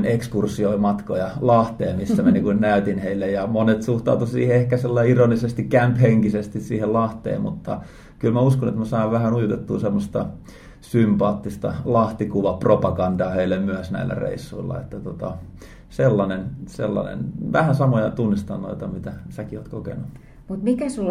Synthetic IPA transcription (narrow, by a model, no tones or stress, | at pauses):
nekskursioimɑt̪kojɑlɑht̪eːmisːæmænikunnæyt̪inheilːejɑmonet̪suht̪ɑ̰ut̪usḭːheehkæselːɑiironisest̪ikkæmpheŋkisest̪issiːhellɑht̪ḛːmmut̪ːɑ̰ | kylmæuskonḛt̪mæsɑiʋʋæhænujut̪et̪ːṵːsemːost̪ɑ̰ | sympɑːt̪ːist̪ɑ̰lɑht̪ikuʋɑpropɑkɑndɑːheilːemyæsnæ̰ilːæ̰rḛisːuilːɑ̰ḛt̪ːæt̪ot̪ɑ | selːɑnensḛlːɑ̰nḛnʋæhænsɑmojɑt̪unːist̪ɑnːo̰it̪ɑmit̪æsækioːt̪kokḛnu | mut̪mikæsul